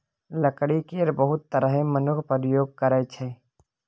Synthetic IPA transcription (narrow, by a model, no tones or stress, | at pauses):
ləkɽikeːɾbəɦʊt̪ːəɾəɦemənʊkʰpəɾjoːɡ̚kəɾɛt͡ʃʰeː